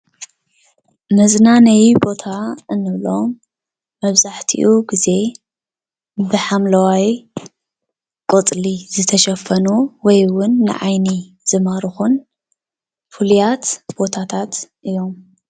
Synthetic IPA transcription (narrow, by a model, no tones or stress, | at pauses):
mɐznanɐjibo̞t̪ʰaɨnːɨβlomː | ɐβzaħt̪ʰḭʔuɡize̞ | bɨħamlɐwaj | kʼot͡sʼlizɨt̪ʰɐʃɐfɐnuwɔjwʊnːɨ̰ʕajni | z̥ɨmaɾɨxun | fulijat̪b̥o̞t̪ʰat̪ʰat̪ʔɨjo̞m